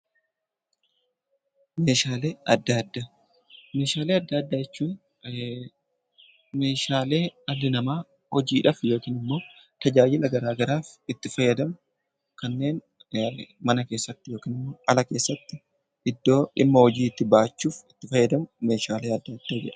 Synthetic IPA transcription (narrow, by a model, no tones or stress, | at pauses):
me̞ːʃaːle̞ːɐd̪ːaːd̪ːa | me̞ːʃaːleːɐd̪ːɐɐd̪ːaːjɛt͡ʃːuːn | me̞ːʃaːle̞ːɐlːɪnɐmaː | hɔd͡ʒiːᶑɐfjo̞ːkiːnɪmːoː | t̪ɐd͡ʒaːjɪlɐɡɐɾaːɡɐɾaːfɪt̪ːɪfɐjːɐd̪ɐmʊ | kɐnːe̞ːn | mɐnɐke̞ːsːɐt̪ːɪjo̞ːkiːnɪmːo̞ːʔɐlɐke̞ːsːɐt̪ːɪ | ɪd̪ːo̞ːᶑɪmːɐhɔd͡ʒiːt̪ːɪbaːt͡ʃːuːfɪt̪ːɪfɐjːɐd̪ɐmʊmeːʃaːle̞ːɐd̪ːɐɐd̪ːaːd͡ʒɛᶑɐ̥